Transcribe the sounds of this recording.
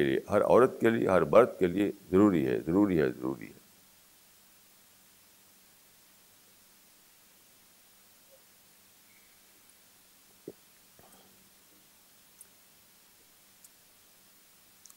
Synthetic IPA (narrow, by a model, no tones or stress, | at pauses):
elḭeɦɐɾɔ̰ːɾət̪keliḛɦɐɾbɐɾt̪keliezɐɾuːɾiɦɛ̰ːzɐɾuːɾiɦɛzɐɾṵːɾḭɦɛː